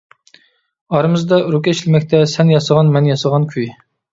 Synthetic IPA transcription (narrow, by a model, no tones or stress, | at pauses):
ɑɾɨmɨzd̪ɑɾukʲɛʃlɪmɛkʲt̪ʰɛsɛnjɑsəʁɑnmɛnjɑsəʁɑnkʲʰyj